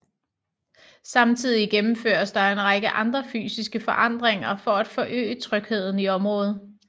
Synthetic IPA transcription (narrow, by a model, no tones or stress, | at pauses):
sɑ̈mt͡sʰið̞̰ˠiɡ̥emm̩fø̰ɐsd̥ɑ̈e̝nʁɑɡ̥əʔɑ̈nd̥ʁɐfy̰ːsisɡ̥əfɒʔɑ̈n̰d̥ʁeŋɐfɒæd̥fɒ̽ʔø̰ːət͡sʰʁœɡ̥he̝ð̞̰ˠn̩iɒ̽mʁɔ̽ːð̞̩ˠ